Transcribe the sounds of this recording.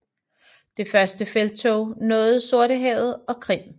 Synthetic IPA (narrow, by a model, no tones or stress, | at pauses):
d̥e̝fɶɐsd̥əfeld̥̚t͡sʰo̰ʊnɔ̽ːð̩ˠso̝ɐ̰ɾəɦɛ̰ʊð̞̩ˠɒ̽kʰʁim̰